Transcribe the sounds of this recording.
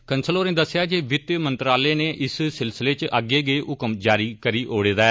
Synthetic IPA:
kənsəloːɾẽːd̪əsːɪjaːd͡ʒeːʋɪt̪jmənt̪ɾaːleːneːʔɪssɪlsɪleːt͡ʃʔəɡeːɡeːʔʊkəmd͡ʒaːɾiːkəɾiːʔoːɽeːd̪aɛː

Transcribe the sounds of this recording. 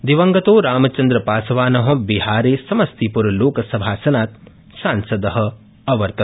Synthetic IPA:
d̪iʋɐŋɡɐt̪oːɾaːmɐt͡ʃɐnd̪ɾɐpaːsɐʋaːnɐɦɐ̆biɦaːɾeːsɐmɐst̪ipuɾɐloːkɐsɐbʱaːsɐnaːt̪ | saːnsɐd̪ɐɦɐ̆ | ɐʋɐɾt̪ɐ

